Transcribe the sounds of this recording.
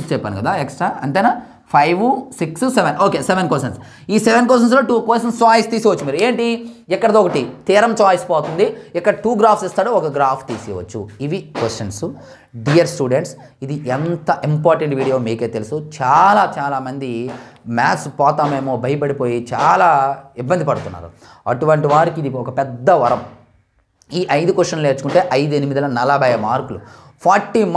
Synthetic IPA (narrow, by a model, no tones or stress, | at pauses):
st͡ʃɛpːa̰ːnikɐd̪aːeksʈɾaːɐnt̪eːna | pʰɐjʋusiksseʋenoːkeːseʋenkʋesɐns | iːseʋenk̬wes̬ʈ̬ɐns̬loːʈuːkʋesʈɐnst͡ʃaːjst̪iːsiʋɐt͡ʃːumiːɾueːɳʈiɛkːɐɽɐd̪oːɔkɐʈit̪iːɾɐmt͡ʃaːjspɔːt̪und̪iɛkːɐɽɐʈuːɡɾaːpʰsist̪aːɽuɔkɐɡɾaːpʰt̪iːsiːʋɐ̰t͡ʃːṵiʋikwesʈɐnsu | ɖijɐɾsʈuːɖeɳʈs | id̪iʔent̪ɐʔimpaːɾʈeɳʈʋiːɽijo̞ːmiːke̞ːt̪elusut͡ʃaːlaːt͡ʃaːlaːmɐnd̪imaːtspɔːt̪aːmeːmoːbʱɐjɐpɐɽipoːjit͡ʃaːlaːibːɐnd̪ipɐɽut̪unːa̰ːɾṵ | ɐʈuʋɐɳʈiʋaːɾikid̪iɔkɐpɛd̪ːɐʋɐɾɐm | iːʔɐjd̪ukʋesʈt͡ʃɐnleːɾt͡ʃu̥kuɳʈe̞ːʔɐjd̪uenimid̪ɐlɐnɐlɐbɐjɐmaːɾkulu | pʰaːɾʈːiːm